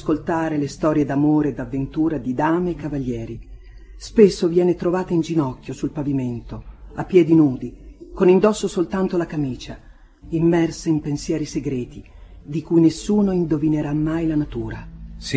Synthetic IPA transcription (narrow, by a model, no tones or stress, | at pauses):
skolt̪aːɾelest̪ɔːɾjed̪amoːɾeːd̪avːent̪uːɾad̪id̪aːmeːkːavalːjɛːɾi | spesːovjɛːnet̪ɾovaːt̪aind͡ʒinɔkːjosulpaviment̪oapːjɛːd̪inuːd̪ikonind̪ɔsːosolt̪ant̪olakamiːt͡ʃa | imːɛrseimpensjɛːɾiseɡɾɛːt̪i | d̪ikujnesːuːnoind̪ovineɾamːajlanat̪uːɾas